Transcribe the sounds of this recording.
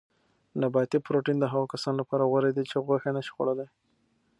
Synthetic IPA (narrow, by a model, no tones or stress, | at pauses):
nabɑt̪ipɾoʈind̪əɦaɣakasɑnlapɑɾawaɾed̪it͡ʃeɣwaxenaʃɣo̰ɽalaj